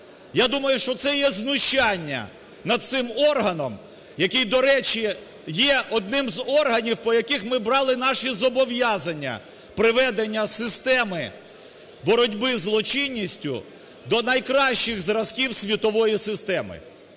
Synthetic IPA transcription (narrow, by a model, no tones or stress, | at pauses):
jad̪umɐjʊʃt͡ʃɔt̪sɛjɛznʊʃt͡ʃanʲːɐ̰ | nɐd̪̚sɪmɔrɦɐnɔm | jɐkʲijd̪ɔɾɛt͡ʃi | jɛʔɔd̪nɪmzɔrɦɐnʲiwpɔjɐkixmɪbɾɑlˠɪn̪ɑʃizɔbɔʋjɑzɐnʲːɐ̰ | pɾɪʋɛd̪enʲːɐsɪst̪ɛmɪ | bɔɾɔdʲbɪzlˠɔt͡ʃɪnʲːisʲtʲʊ̰ | d̪ɔnɐjkɾɑʃt͡ʃɪɣzɾɐzkʲiwsʲʋʲit̪ɔʋɔjisɪst̪ɛmɪ̰